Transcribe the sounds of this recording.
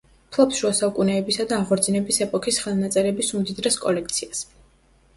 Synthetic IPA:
pʰlˠapsʃuasaukʼunɛːbisad̪aːʁɔɾd̪zinɛbisɛpʼɔkʰisχɛlˠnat̪sʼɛɾɛbisumd̪id̪ɾɛskʼɔ̰lɛkʰt̪sʰias

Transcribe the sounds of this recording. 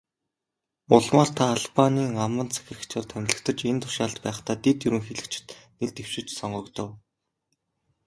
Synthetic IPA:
ʊɮmaːrt̪ʰaːɮpaniːŋamə̆nt͡sʰæ̥xʲɪ̆rɘ̆xkt͡ɕʰɔːrt̪ʰæmʲɮɘ̆kt̪ʰə̆t͡ɕent̪ʰʊ̥ʃaɮt̪pæːχt̪aːt̪et̪jɵɾɘ̆ŋxeɮɘ̆kt͡ɕɪ̥̆t̪neɮt̪ew̥ʃɪ̆t͡ɕsɔɴɢɞ̆kt̪ə̆w

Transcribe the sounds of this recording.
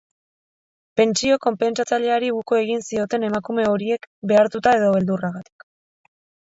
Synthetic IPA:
pe̞nt͡sio̞ko̞mpe̞nt͡sat͡saʎe̞aɾiɣukoe̞ɣinsio̞t̪e̞ne̞makume̞o̞ɾie̞kbe̞aɾt̪ut̪ae̞ðo̞βe̞ld̪uraɣat̪i̥k

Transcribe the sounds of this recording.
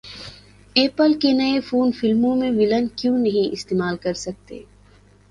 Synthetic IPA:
eːpəlkenɐefuːnfɪlmõmẽʋɪlənkjõːnɐɦĩʔɪst̪eːmaːlkɐɾsɐk̚t̪ḛː

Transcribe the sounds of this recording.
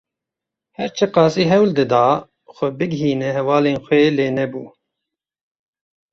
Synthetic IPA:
hɛɾt͡ʃʰɨqɑːsiːɦɛwld̪ɨd̪ɑː | xʷɛbɨɡɦiːnɛɦɛwɑːleːnxʷeːleːnɛbṵː

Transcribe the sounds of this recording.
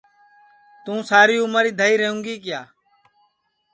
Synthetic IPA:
t̪ũːsaːɾiːʊːməɾiːd̪ʱəiːɾeːɦũːŋɡiːkɪjaː

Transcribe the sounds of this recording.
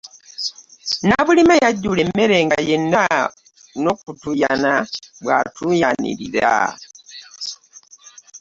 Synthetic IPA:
naβulimajaɟulemːeɾe̞ːŋɡajenda | no̞kutujanaβwa̰tujanḭɾḭɾa̰

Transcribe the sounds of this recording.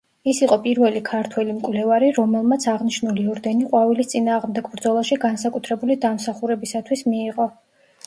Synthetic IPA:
isiqʼɔpʼiɾvɛlikʰaɾt̪ʰwɛlimkʼwlɛvaɾiɾɔmɛlˠmat̪sʰaʁniʃnuliɔɾd̪ɛniqʼwavilist̪sʼinaːʁmd̪ɛɡbɾd̪zɔlˠaʃiɡansakʼut̪ʰɾɛbulid̪amsaχuɾɛbisat̪ʰwismiːʁɔ

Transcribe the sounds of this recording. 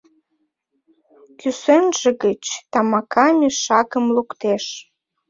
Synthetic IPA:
kysenʒeɣət͡ɕt̪ɑmɑkʰɑmʲiʃɑkəmlukt̪eʃ

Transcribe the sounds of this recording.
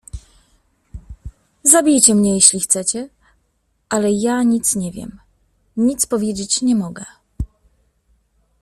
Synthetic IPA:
zabʲijt͡ɕɛmɲɛjeɕlʲixt̪sɛt͡ɕɛ | ʔalɛjaɲit̪sɲɛvʲjɛ̰m | ɲit̪spɔvʲjed͡ʑet͡ɕɲɛmɔɡɛ

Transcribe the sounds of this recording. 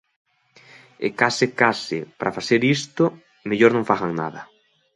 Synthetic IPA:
ɪ̰kasɪkasɪpɾʔafaθeɾist̪o | meʎoɾnõŋfaɣaŋna̰ðɐ

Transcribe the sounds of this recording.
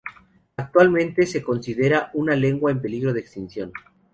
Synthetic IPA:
ak̚t̪walmẽ̞nt̪e̞se̞ko̞nsiðe̞ɾaʔunale̞ŋɡwaempe̞liɣɾo̞ð̞eːkst̪insjo̞n

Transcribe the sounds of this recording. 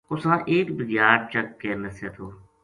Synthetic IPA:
ʊsãːʔeːkbɪzjaːɾt͡ʃəkːeːmɪseːt̪ʰoː

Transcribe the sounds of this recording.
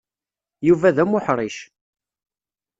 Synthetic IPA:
juvæðæmʊħɾˤiʃ

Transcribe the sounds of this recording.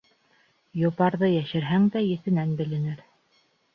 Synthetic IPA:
jŏpɑɾðɤjæʃɘ̆ɾɦæŋd̪æjɘ̆θɘ̆nænbɘ̆lɘ̆nɘɾ

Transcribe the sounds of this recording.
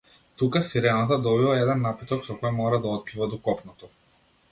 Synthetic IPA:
t̪ukasiɾɛnat̪̬ad̪ɔbivˠaɛd̪ɛnːapit̪ɔksɔkɔjmɔɾad̪aɔt̪̚pivad̪ɔkɔpnɔt̪ɔ

